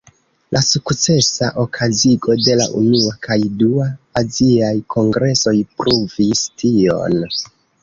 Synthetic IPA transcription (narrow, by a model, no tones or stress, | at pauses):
lʔasukt͡se̞saʔo̞kʰaziɡo̞de̞la̰ʔṵnuakʰajduaːziajkʰo̞ŋɡɾe̞so̞jpɾuvistʰio̞̰n